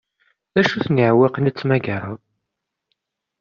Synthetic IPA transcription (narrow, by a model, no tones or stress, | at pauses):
æʃuθnəʕwɪqnit͡sːmæɡəɾˤə̰ðˤ